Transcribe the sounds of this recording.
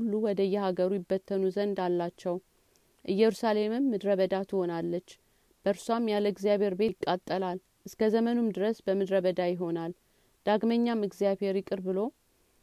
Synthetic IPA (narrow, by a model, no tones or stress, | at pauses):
ulːuwɔd̪əjːɛhaɡəɾujɪbːət̪ʰːənuzənd̪alːat͡ʃːɛw | ʔɨjːɛɾusale̞mɨmːɨd̪ɾəβəd̪at̪ʰɨho̞nalːət͡ʃː | b̥əɾsuamjaləɡzijaβhe̞ɾbekʼːat̪ʼːəlal | ʔɨskʰəzəmənumd̪ɨɾəsbəmɨd̪ɾəβəd̪ajɪɦo̞nal | d̪̥aɡməɲːamɨɡzijaβhe̞ɾjɪkʼɨɾbɨlo̞